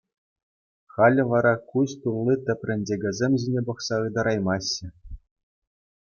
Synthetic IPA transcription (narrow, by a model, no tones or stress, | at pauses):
χɑlʲɘ̆ʋɑɾɑkuɕt̪ulʲˠːit̪ʲɘ̆pʲrʲɘ̆nʲdʲeɡʲɘ̆zʲemʲʑinʲepɤ̆χsɑɯd̪ɑɾɑjmɑɕːɘ̆